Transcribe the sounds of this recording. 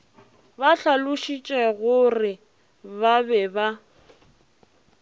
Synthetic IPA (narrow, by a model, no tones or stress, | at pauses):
baɬalʊʃit͡ʃʼɛɣʊrɪ | babɛba